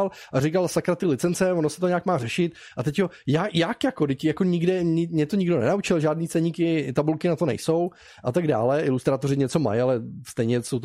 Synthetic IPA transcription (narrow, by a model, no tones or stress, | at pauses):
lʔarɪkalsakɾat̪ɪlɪt͡sɛnt͡sɛvonosɛt̪oɲɛaːkmaːrɛʃɪt̪̚ | ʔat̪ɛcjojajakjako̞dɪcjako̞ɲɪɡdɛɪmɲɛt̪o̞ɲɪɡdo̞nɛ̰naut͡ʃɪlʒaːdniːt͡sɛɲɪkɪt̪abulkɪnat̪o̞nɛ̰jso̞w | ʔat̪aɡda̰ːlɛʔɪlust̪ɾaːt̪o̞rɪɲɛt͡so̞ma̰jalɛst̪ɛjɲɛsowt̪